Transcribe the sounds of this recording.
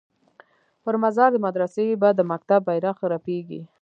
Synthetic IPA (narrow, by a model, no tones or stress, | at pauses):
pəɾmazɑɾd̪əmad̪ɾasewibad̪əmak̚t̪abːajɾaxɾapeɡḭ